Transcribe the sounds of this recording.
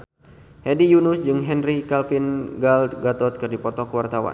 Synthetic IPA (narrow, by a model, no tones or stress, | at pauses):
hɛdijunusd͡ʒɨŋɦɛnrikalfinɡald̪ɡat̪ɔt̪̚kɨrdipɔt̪ɔkəwart̪awa̰n